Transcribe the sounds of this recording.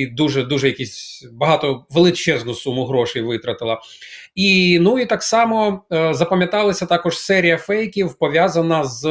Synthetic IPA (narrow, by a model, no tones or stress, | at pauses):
d̪uʒɛd̪uʒɛjɐkʲisʲbɐɦɑt̪ɔʋelˠɪt͡ʃɛznʊsumʊɦɾɔʃɪjʋɪt̪ɾɐt̪ɪlˠɐ | inuit̪ɑksɑmɔzɐpɐmʲjɐt̪ɑlˠɐsʲɐt̪ɑkɔʒ̥sɛɾʲijɐfɛjkʲiwpɔʋʲjazɐnɐz